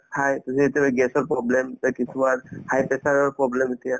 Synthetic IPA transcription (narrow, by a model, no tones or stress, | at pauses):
hʰajt̪usietijabɛɡɛsɔɹpɹɔblɛmɛkisʰubaɹhajpɛsaɹɔɹpɹɔblɛmetija